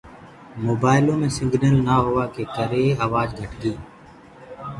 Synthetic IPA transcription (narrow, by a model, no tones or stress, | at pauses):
moːbaːɪlõːmẽːsɪ̃ŋɡnəlnaːɦʊʋaːkeːkəɾeːaːʋaːd͡ʒɡʱəʈɡiː